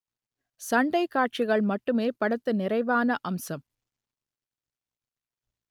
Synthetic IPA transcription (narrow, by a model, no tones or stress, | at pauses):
sɐɳɖɐɪkːaːʈ̚t͡ʃɪɣɐɭmɐʈːɯmeːpɐɽɐt̪ːɯnɪɾɐɪʋaːnɐʔɐmsɐm